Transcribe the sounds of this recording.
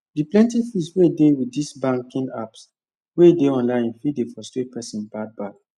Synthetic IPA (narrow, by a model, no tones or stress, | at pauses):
diplɛ̃ntifiswedewidisbãŋkĩŋa̰ps | wedeɔ̃nlãɪ̃nfidefɔstepʰɛsĩnbad̚bad